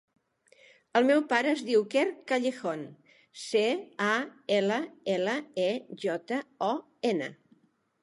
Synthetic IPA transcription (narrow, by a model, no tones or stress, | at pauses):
əlˠmɛwpaɾəːzðiwkɛrkaʎexon | seaeləeləeʒɔt̪əɔ | enə̰